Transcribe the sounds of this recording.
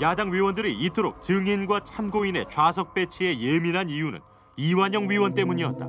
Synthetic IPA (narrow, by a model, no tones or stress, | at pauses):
jadaŋɥiwʌndɯɾiitʰɯɾok̚t͡ɕɯŋinɡwat͡ɕʰamɡoine̞̰t͡ɕwasʰʌk̚p͈e̞t͡ɕʰie̞jeminɦanijunɯ̰n | iwaɲʌŋɥiwʌnt̬͈e̞muɲiʌt̚t͈a̰